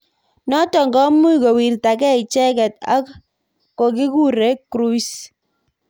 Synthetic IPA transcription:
nɔ˦tɔ˨ŋɡɔ˦mu˦i˨ko˨wi˨ɾta˨kɛ˦i˨t͡ʃɛ˦kɛ˨ta̰˦k | ko˨ki˦ku˦ɾe˦kɾu˦i˦s

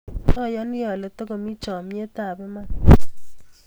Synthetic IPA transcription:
ɔ˦˨jɔ˦nɪ˦jɔ˨le˨˦t̪ɔ˦ko˨mi˦t͡ʃɔ˨m˦e˦t̪a˦˨bɛ˦ma˦

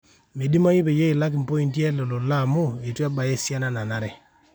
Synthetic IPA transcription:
me˨di˦ma˦ji˦pe˨jo˦ɪ˨la˦k̬ɪ˨m̩˨po˦i˦˨nti˦ɛ˦lo˨lo˨la˦˨mo˦˨e˨twɛ˦ba˨je˦sja˦na˨na˨na˨ɾɛ˦

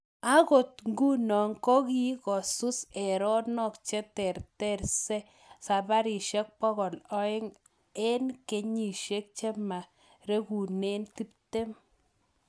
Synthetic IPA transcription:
a˦ɣo˨tŋɡu˦nɔ˨ŋkɔ˦ɣi˦ɣɔ˨su˦se˨ɾɔ˦nɔ˦˨kt͡ʃɛ˦tɛ˨ɾtɛ˦˨rse˦ | sa˨ba˦ɾi˨ʃɛ˦k̚pɔ˦ɣɔ˨lɔ˦ɪ˦ŋ | e˦nke˨ɲi˨ʃe˦k̚t͡ʃe˦ma˨ | ɾe˦ɣu˨ne˦nt̪i˦pte˦m

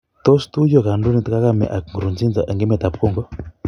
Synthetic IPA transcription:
t̪ɔ˦st̪u˦jɔ˦˨ka˨ndu˦ni˦t̪ka˦ka˦mɛ̰˨ʔa˨kŋɡɾu˨nd͡zi˦nd͡za˨ʔɛ˨ŋɡɛ˦mɛ˨t̪a˨pkɔ˦ŋɡɔ˦

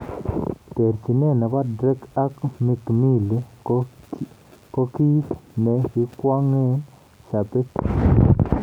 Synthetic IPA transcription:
t̪e˨ɾt͡ʃi˨ne˦˨na˨ba˦dɾe˦ka˦kmi˧kmi˦li˦ | ko˧˦ki˦sne˨ki˧kʷa˦ŋe˦n | ʃa˨p̪e˦t

